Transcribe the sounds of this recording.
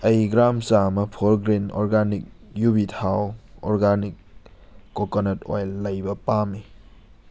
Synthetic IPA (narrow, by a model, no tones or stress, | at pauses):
ɐjɡɾamsamɐpʰoɾɡɾinɔ̰ɾɡanik̚jubitʰawɔ̰ɾɡanik̚ː | okonɐtojlːɐjbɐpami